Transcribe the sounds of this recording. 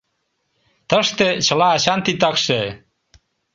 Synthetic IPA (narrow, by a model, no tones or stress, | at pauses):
t̪əʃt̪et͡ɕə̆lɑːt͡ɕɑnt̪it̪ɑkʃe